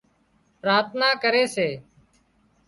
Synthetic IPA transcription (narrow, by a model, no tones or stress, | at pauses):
pɾaːt̪naːkəɾeːseː